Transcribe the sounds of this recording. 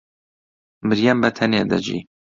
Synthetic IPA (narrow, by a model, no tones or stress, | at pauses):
mɨɾjɛmbɛt̪ʰɛneːd̪ɐ̰d͡ʒḭː